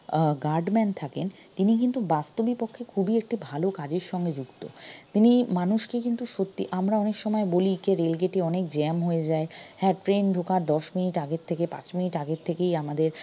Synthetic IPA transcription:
ɡaɾɖmɛnt̪ʰakent̪inik̬int̪ubast̪obipokʰːekʰubiek̚ʈibʱalokad͡ʑeɾʃɔŋɡed͡ʑuɡt̪ot̪inimanuʃkekint̪uʃot̪ːiʔamɾaɔnekʃɔmɔebolikeɾelɡeʈeɔnekd͡ʑɛmɦojed͡ʑaehɛʈfɾenɖɖʱokaɾd̪ɔʃminiʈaɡett̪ʰekepa̰t͡ɕminiʈaɡett̪ʰekejamad̪eɾ

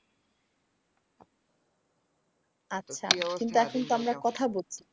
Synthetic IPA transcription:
atːɕʰa̰kint̪uɛkʰont̪oamɾakɔt̪ʰabolt͡ɕʰi̥

